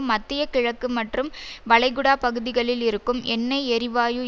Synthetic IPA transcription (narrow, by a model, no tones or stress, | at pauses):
mːɐt̪ːɪjɐkɪɻɐkːɯmɐʈrɯmʋɐɭɐɪɣɯɽaːpɐɣɯðɪɣɐɭɪlɪɾɯkːɯmʔɛnːɐɪɛɾɪʋaːjɯ